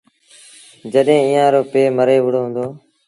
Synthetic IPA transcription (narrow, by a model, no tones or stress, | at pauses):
d͡ʒəɗɦẽːĩːãːɾoːpeːməɾeːʋʊɽoːɦʊ̃nd̪oː